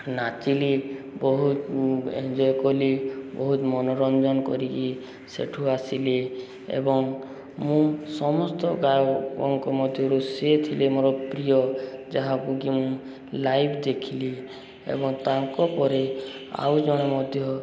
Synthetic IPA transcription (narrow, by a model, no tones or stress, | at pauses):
nat͡ʃili | bɔɦut̪ḛnd͡ʒɔjkɔlibɔɦut̪mɔnɔɾɔnd͡ʒɔnkɔ̰ɾiki | sḛʈʰuasile | ḛbɔŋ | mũsɔmɔst̪ɔɡajɔɔŋkɔmɔd̪ʱjɔɾuset̪ʰilemoɾɔpɾijɔd͡ʒaɦakuɡimũ | lajpʰd̪ekʰili | ḛbɔŋt̪ãŋkɔpɔɾe | a̰wd͡ʒɔɽ̃emɔd̪ʱjɔ